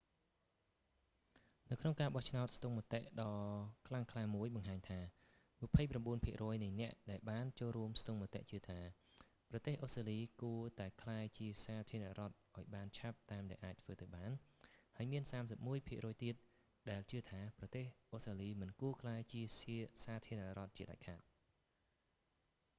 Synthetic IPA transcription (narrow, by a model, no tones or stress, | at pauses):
nɨwkʰnoŋkaːɓɑht͡ɕʰnaɔt̪̚st̪uŋmət̪eʔɗɑːkʰlaŋkʰlaːmuəjɓɑŋɦaːɲt̪ʰaː | mɨ̆pʰəjpramɓuənpʰiəʔrɔːjnɨjnɛ̆əʔɗaɛlɓaːnt͡ɕoːlruəmst̪uŋmət̪ḛʔt͡ɕɨət̪ʰaː | prɑt̪eːhʔosraːliːkuət̪aɛkʰlaɛt͡ɕiəsaːt̪ʰiəna̰ʔrŏət̪̚ʔaɔjɓaːnt͡ɕʰap̚t̪aːmɗaɛlʔaːc̚t̪ʰʋəːt̪awɓaːnhaəjmiənsaːmsəp̚muəjpʰiəʔrɔːjt̪iət̪̚ | ɗaɛlt͡ɕɨət̪ʰaːprɑt̪eːhʔohstraːliːmɨnkuəkʰlaɛt͡ɕiəsiəsaːt̪ʰiərnaʔrŏət̪̚t͡ɕiəɗa̰c̚kʰaːt̪̚